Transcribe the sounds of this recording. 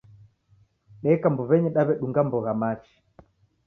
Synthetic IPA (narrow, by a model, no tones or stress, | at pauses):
ɗɛkambɔβɛɲɛɗaβɛɗuŋɡambɔɣamat͡ʃi̥